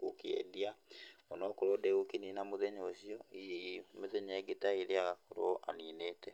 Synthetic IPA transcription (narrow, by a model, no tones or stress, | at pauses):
kokeɛ̰diaɔnɔkoɾodɛokininamoðɛɲoːɕiɔijemeðɛɲɛɡetaeɾeaɣakoɾo̰ʔa̰niːneːtɛ